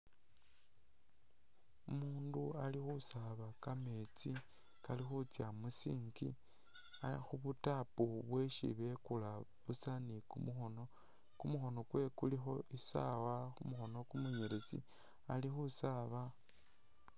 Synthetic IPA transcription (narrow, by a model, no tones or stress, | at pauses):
umuːndualixusaβakame̞t͡si | kalixut͡sjamusiːŋɡi | axuβutapuβwe̞ʃḭβe̞kulaβusanikumuxono | kumuxo̞no̞kwe̞kulixo̞ʔisa̰waxumuxo̞no̞kumuɲeɾet͡sḭ | alixusaβa